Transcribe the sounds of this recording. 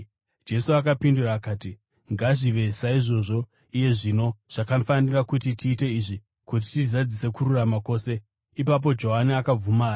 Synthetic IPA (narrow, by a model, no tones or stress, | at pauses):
d͡ʒe̞suakapinduraːkaːti | ŋɡaʐiʋe̞saiʐo̞ʐo̞ | ije̞ʐino̞ʐ̥akafanirakutitʰiːte̞iʐi | kut̬itizad͡zise̞kururamako̞ːse̞ | ipap̬o̞d͡ʒo̞ɦaniakab͡vumaː